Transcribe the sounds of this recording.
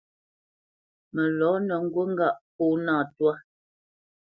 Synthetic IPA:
mə˨lɔ˨˦nə˨ŋ̩˦ɡwə˦ŋ̩˦ɡa˦˨ʔpuː˦naː˦˨twa˦

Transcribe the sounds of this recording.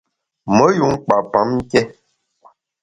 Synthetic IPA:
mə˨˦ju˨˦ŋ˦k͡pa˨pa˨˦m̩˦kɛ˦

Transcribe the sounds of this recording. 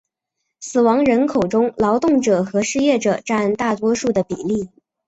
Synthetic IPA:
sɹ̩˨˩wɑ˧˥ŋɻə˧˥nkʰo˨˩ʊʈ͡ʂʊ˥ŋlɑ˧˥ʊt̪ʊ˥˩ŋʈ͡ʂɤ˨˩xɤ˧˥ʂɻ̩˥˧jɛ˥˩ʈ͡ʂɤ˨˩ʈ͡ʂa˥˧nt̪a˥˩t̪wɔ˥ʂu˥˩d̪ə˩pi˨˩li˥˩

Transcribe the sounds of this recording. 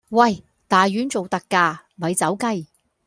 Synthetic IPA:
wɐ˥˨˩j | t̪aː˨jɥyː˨˥nt͡so˨wt̪ɐ˧kːaː˧mɐ˨˧jt͡sɐ˨˥wkɐ˥˧j

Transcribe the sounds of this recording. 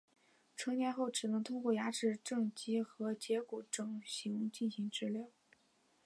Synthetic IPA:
ʈ͡ʂʰɤ˧˥njɛ˧˥nxo˥˩ʊʈ͡ʂɻ̩˨˩nɤ˧˥ŋt̪ʰʊ˥ŋkwɔ˥˩ja˧˥ʈ͡ʂɻ̩˥˧ʈ͡ʂɤ˥˩ŋt͡ɕi˥xɤ˧˥t͡ɕjɛ˧˥ku˨˩ʈ͡ʂɤ˥˩ŋɕi˧˥ŋt͡ɕi˥˩nɕi˧˥ŋʈ͡ʂɻ̩˥˧ljɑ˥˩

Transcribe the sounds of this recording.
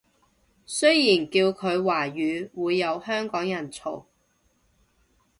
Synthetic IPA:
sɵ˥jiː˨˩nkiː˧wkʰɵ˨˧ɥwaː˨˩ɥyː˨˧wuː˨˧jːɐ˨˧whœː˥ŋkɔː˨˥ŋjɐ˨˩nt͡sʰo˨˩w

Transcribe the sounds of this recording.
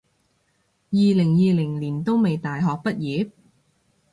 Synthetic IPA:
jiː˨lɪ˨˩ŋjiː˨˧lɪ˨˩ŋliː˨˩nt̪o˥wme˨jt̪aː˨jɦɔː˨k̚pɐ˥t̚jiː˨˥p̚

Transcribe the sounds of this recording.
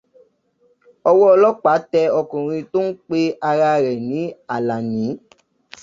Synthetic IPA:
ɔ˧wɔ˦ɔ˧lɔ˦k͡pa˨˦tɛ˧ɔ˧kɔ̃˨ɾ̃ĩ˧to˦n̩˦k͡pe˦a˧ɾa˧ɾɛ˨nĩ˨˦a˨la˨nĩ˨˦

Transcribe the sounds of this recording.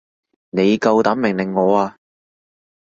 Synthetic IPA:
ne˨˧jkɐ˧wt̪ɐ˨˥mɪ˨˩ŋlɪ˨˩ŋːɔː˨˧aː˧

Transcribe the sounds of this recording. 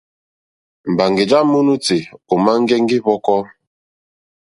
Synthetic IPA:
m̩˨ba˨ŋɡe˨d͡ʒa˦mu˦nu˦ti˨o˨ma˦ŋ̩˦ɡɛ˦ŋ˦ɡi˦βɔ˦kɔ˦

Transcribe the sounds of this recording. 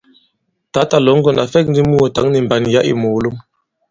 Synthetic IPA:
ta˨˦ta˨lɔ˨˦ŋ˦ɡɔ˨na˨fɛ˦k̚n˦di˦mu˦o˨ta˨˦ŋni˨mba˨n˨ja˦ʔḭ˨mo˨lu˦m

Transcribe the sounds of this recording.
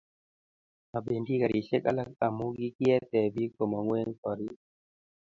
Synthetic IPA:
ma˨be˨ndi˦ka˨ɾi˨ɬe˦ka̰˦la˦k̚a˨mu˦ɡi˦ki˦ɛ˦t̪ɛ˨bi˦kɔ˨mɔ˨ŋwe˦ŋkɔ˨ɾi˦

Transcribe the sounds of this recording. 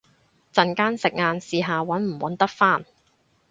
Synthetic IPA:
t͡sɐ˨nkaː˥nsɪ˨k̚ŋaː˧nsiː˨˧ɦaː˨wɐ˨˥nm̩˨˩wɐ˨˥nt̪ɐ˥k̚faː˥n

